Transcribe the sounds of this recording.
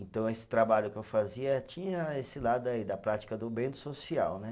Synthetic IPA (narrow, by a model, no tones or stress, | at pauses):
ẽnt̪ɐ̃w̃esɪ̥t̪ɾabaʎʊkɪewfaziɐɛt͡ʃĩɲɐesɪlad̪ʊaid̪ɐpɾat͡ʃi̥kɐd̪ʊbẽt̪ʊ̥sosiawnɛ